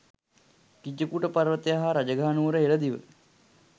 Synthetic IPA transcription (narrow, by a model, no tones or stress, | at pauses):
kid͡ʒəkuʈəpaɾʋət̪ejaɦaɾad͡ʒəɡʱaːnuːɾəɦeləd̪iʋə̰